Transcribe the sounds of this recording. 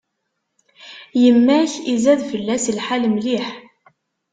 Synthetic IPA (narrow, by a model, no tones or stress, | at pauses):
jəmːæçizæðfəlːæslħalmliħ